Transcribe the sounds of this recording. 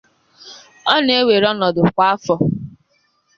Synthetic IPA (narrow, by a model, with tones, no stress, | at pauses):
ɔ˦ne˦we˨ɾɔ˦nɔ˨dʊ˨kʷa˦a˦fɔ˨